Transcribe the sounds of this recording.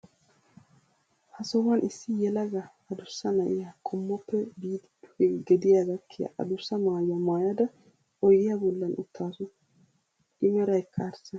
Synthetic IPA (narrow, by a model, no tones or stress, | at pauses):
hɐsɔwɐnʔɪsːɪjɛlɐɡɐ | ɐd̪ʊsːɐnɐʔɪjakʼɔmːɔpːɛbiːd̪ | ʊɛɡɛd̪ɪjaɡɐkʰːɪja̰ʔɐ̰d̪ʊsːɐmaːjɐmaːjɐd̪ɐ | ɔjɪjabʊlːɐnʊ̰t̪ʰːaːsʊ | ʔɪmɛɾɐjkʰːaɾsɐ